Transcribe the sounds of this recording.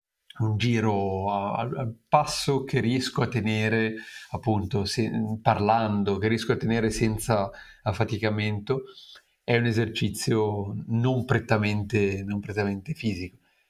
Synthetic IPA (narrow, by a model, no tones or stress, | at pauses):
und͡ʒiːɾoaa̰la̰lpasːok̟eriɛskoat̪ːeneːɾeapːunt̪osɛparland̪ok̟erːiɛskoat̪ːeneːɾesɛnt̪sa | fat̪ikament̪o | ɛunezert͡ʃit̪sːjonompɾet̪ːament̪enompɾet̪ːament̪efiːziko̥